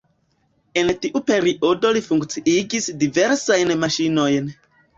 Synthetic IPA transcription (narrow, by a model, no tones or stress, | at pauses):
e̞ntiʔupe̞ɾiʔo̞do̞lifuŋkt͡siʔiɡisdive̞ɾsajnmaʃino̞jn